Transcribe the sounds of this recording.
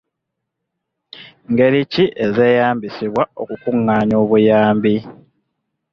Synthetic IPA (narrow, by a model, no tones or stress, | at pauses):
ŋɡe̞ɾiciʔeze̞ːjaːmbisiβwaokukuŋːaːɲo̞ːβujaːmbi